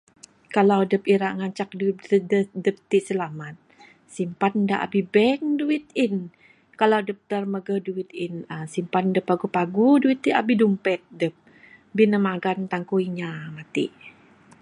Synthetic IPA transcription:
kalawdəpiɾaʔŋaɲt͡ʃak̚dədədəp̚t̪iʔsəlamat̪̚ | simpat̪daʔa̰bibɛŋduwɪt̪̚ɪn | kalawdəp̚t̪ərməɡəhduwit̪ɪnəsimpat̪ndəpːaɡupaɡuduit̪̚ːiabidumpɛt̪̚dəp̚ | binəmaɡant̪aŋkuiɲamat̪ḭʔ

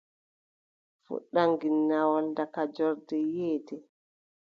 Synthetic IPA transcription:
fṵɗːaŋɡinːawɔndakad͡ʒɔɾdɛjɛːtɛ

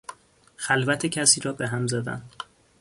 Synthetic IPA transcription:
xælvæt̪ʰecʰæsiːɾɒːbe̞ɦæmzæd̪æ̰n

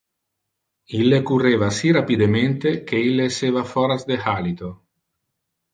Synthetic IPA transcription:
ilːekurevasirapid̪ement̪ekeilːeːsevafɔɾazd̪ehalit̪o

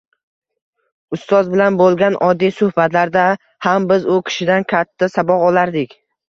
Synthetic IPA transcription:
ʊst̪ɒzbɪlanbolˠɡʲanʔɒd̪ːijsʊhbat̪laɾd̪a | hambɪzʊkʲʰɪ̥ʃɪd̪ankʲʰat̪ʰːasabɒqɒlaɾd̪ɪkʲ

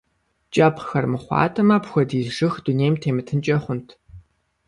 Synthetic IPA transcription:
t͡ʃʼɐpʰxɐrmɨχʷɑ̰ːtʰʼɐmɐpxʷɔdiːzʐɨxdunejmtʰeːmɨtʰɨnt͡ʃʼɐχʷʊntʰ

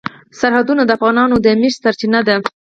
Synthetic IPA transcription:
saɾhad̪unad̪əafɣɑnɑnod̪əmeʃsaɾt͡ʃinad̪a

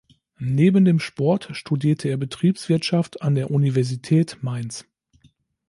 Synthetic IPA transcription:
neːbən̩deːmʃpɔɐtʃtudiːɐtʰəeːɐbətʁ̥iːpsv̥ɪɐtʃaftandeːɐʔunivɛɐzitʰɛːtmaɪns

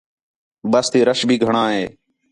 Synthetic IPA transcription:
bəst̪iːɾəʃbʱiːɡʱəɳãːɦeː

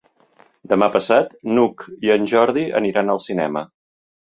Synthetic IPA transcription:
d̪əmapəsat̪nukiənʲʒɔɾð̞iə̰niɾanəlˠsinɛ̰mə

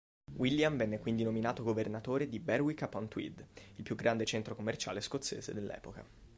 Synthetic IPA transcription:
wʔilːjaɱvɛnːekwind̪inominaːt̪oɡovernat̪oːɾed̪ibɛrwikapːɔnt̪wḭd̪ilpjuɡɾand̪et͡ʃɛnt̪ɾokomːert͡ʃa̰ːleskot̪sːḛːzḛd̪elːɛ̰ːpoka̰

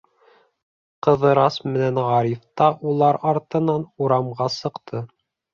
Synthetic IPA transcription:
qɤ̆ðɤ̆ɾɑsmɘ̆nænʁɑɾift̪ɑʔulˠɑɾɑɾt̪ɤ̆nɑnuɾɑmʁɑsɤ̆qt̪ʰɤ

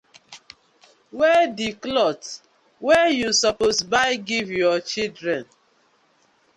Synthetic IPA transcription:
wediklɔt | wɛjusɔposbaɪɡivjɔt͡ʃildɾɛ̃n

